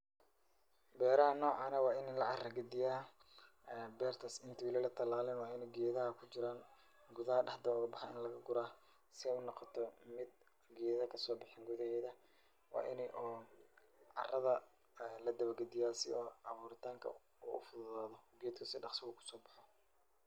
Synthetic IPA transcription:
bɛːɾɐɦɐnɔːʕɑnɐwɑːɪnɛlɐʕɑrɐɡɐd̪ɪjaː | bɛːrt̪ʰɐsɪnt̪ʰɪwɪlɛlɐt̪ʰɐlaːlɪnwɑːɪnɛɡɛːðɐɦɐkʰʊt͡ʃɪɾaːn | ɡʊðɐɦɐɖɑħd̪ɐʊɣɐbɑħɑɪnlɐɣɐɡʊɾaː | sɪɛjʊnɑqɑt̪ʰɔmɪd̪̚ | ɡɛːðɐkʰɐsɔːbɑħɪːŋɡʊðɐhɛːðɐ | wɑ̰ːʔɪnɛʔ | ɑ̰rɐðɐ | lɐd̪ɐβɐɡɐd̪ɪjaːsɪɔɑβuːɾɪt̪ʰaːŋkʰɐ̰ | ṵːʔʊ̰fʊðʊðaːðɔɡɛːd̪kʰʊsɪɖɑqsɪɣʊkʰʊ̥sɔːbɑ̥ħɔ

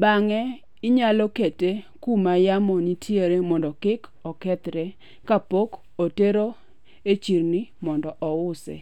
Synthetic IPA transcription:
baŋɛ | ɪɲalɔkete | kumajamɔnitʰjeɾemɔndɔkɪkɔkɛt̪ɾe | kapok | oteɾo | et͡ʃiɾnɪmɔndɔʔɔwʊsɛ̰

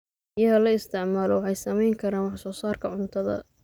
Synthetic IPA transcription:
ɪjɐɣɐlɐɪst̪ʰɪʕmaːlɔwɑħɑjsɐmɛjŋkʰɐɾaːnwɑħsɔːsaːrkʰɐʕʊnt̪ʰɐðɐ̰

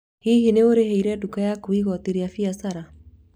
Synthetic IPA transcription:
hiɦineoɾeɦeiɾɛdukajakoiɣɔteɾeafiasaɾa

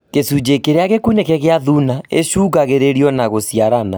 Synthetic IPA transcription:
kesud͡ʑekeɾeaɣekunekɛɣeaðunaeɕuːɣaɣeɾeɾiɔnaɣosiaɾana

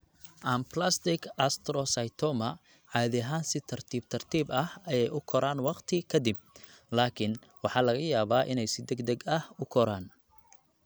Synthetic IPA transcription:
ʔɐmplast̪ɪkʰɐst̪ɾɔsɐjt̪ʰɔmɐ | ʕɑːðɪɦaːnsɪt̪ʰɐrt̪ʰiːb̚t̪ʰɐrt̪ʰiːbɐhɐjɛjʊkʰɔɾaːnwɑqt̪ʰɪkʰɐd̪ɪb̚ | laːkʰɪnwɑħɑːlɐɣɐjaːβaːʔɪnɛjsɪd̪ɛɡd̪ɛɡɐhʊkʰɔɾaːn

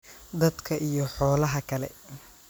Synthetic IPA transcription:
d̪ɐd̪kʰɐʔijɞħɔːlɐɦɐkʰɐlɛ̰

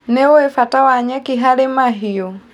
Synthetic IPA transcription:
nɛɔɛfatawaɲakiɦalɛmaɦijɔ

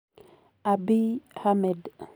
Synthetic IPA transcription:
ʔabihamɛd

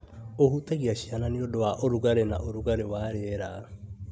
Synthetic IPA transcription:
ohuteɣiaɕiananiodowaʔoɾuɣaɾena̰ʔoɾuɣaɾewaɾeɾa

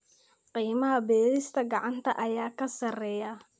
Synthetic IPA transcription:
qiːmɐɦɐbɛːlɪst̪ʰɐɡɑʕɑnt̪ʰɐʔɐjaːkʰɐsɐrɛːjɐ

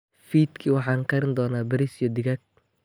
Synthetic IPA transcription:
fiːd̪kʰiwɑħɑːŋkʰɐɾɪnd̪ɔːnaːbɐɾisjɔd̪ɪɣɐk̚

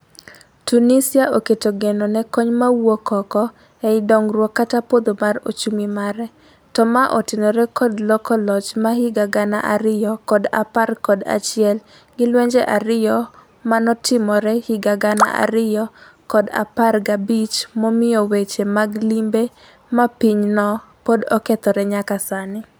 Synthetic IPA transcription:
tunisɪaʔoketoɡenonɛkɔɲmawokɔkɔ | ɛɪdɔŋɾwɔkːatapod̪omaro̰t͡ʃumimaɾɛ | tɔmaʔɔtɪnɔɾɛkɔdlɔkɔlɔt͡ʃmahɪɡaɡana̰ʔaɾɪjɔkɔda̰parkɔda̰t͡ʃɪɛl | ɡɪlwɛɲd͡ʒɛʔaɾɪjɔ | manɔtʰɪmɔɾɛhɪɡaɡana̰ʔa̰ɾɪjɔ | kɔda̰parɡabit͡ʃmɔmɪjɔwet͡ʃemaɡlimbe | mapiɲnɔ | podɔkɛt̪ɔɾɛɲakasanɪ

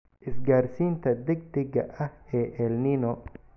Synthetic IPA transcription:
ʔɪsɡaːrsiːnt̪ʰɐd̪ɛɡ̚d̪ɛɣɐʔɐhɛːʔɛlnɪnɔ

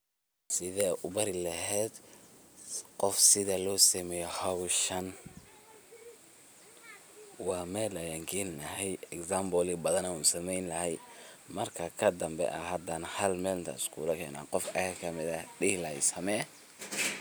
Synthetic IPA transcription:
sɪðɛːʔʊβɐɾɪlɐɦɛːd̪ | qɔfsɪðɐlɔːsɐmɛjɔhɐwʃɐn | wɑːmɛːlɐjaŋkʰɛːnlɐɦɛjɛksambɔlɪbɐðɐnɐuːnsɐmɛjnlɐhɛjmɐrkʰɐkʰɐd̪ɐmbɛ̰ʔɐhɐd̪ɐnhɐlmɛːlnt̪ʰɐ̰ɪskʰṵːlɐkʰɛːna̰ːqɔfɐ̰jakʰɐmɪðɐɖɪhlɐhɛsɐmɛː

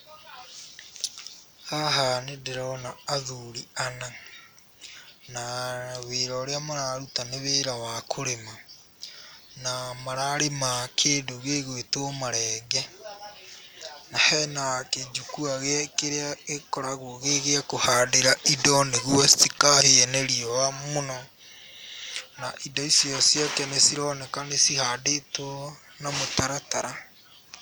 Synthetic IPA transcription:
haɦanedeɾɔnaːðuɾiana | naweɾɔɾeamoɾaɾutaneβeɾawakʰoɾema | namaɾaɾemakʰeːndoɣeɣwetomaɾɛːɡɛ | nahɛnaked͡ʒukuaɣeakeɾeaekɔɾaɣoɣeɣeakohaːdeɾaʔidɔneɣwɔstikaheɛnɛɾiɔwamonɔ | na̰ʔidaisiɔsjakɛnesiɾɔnɛkanesihaːdetwɔ | namotaɾataɾa

